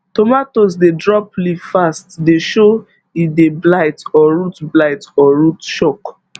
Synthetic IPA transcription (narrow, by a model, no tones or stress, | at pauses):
tomatos̬dedɹɔplivfastdeʃo | ideblaɪtɔɹutblaɪtɔɹutʃɔk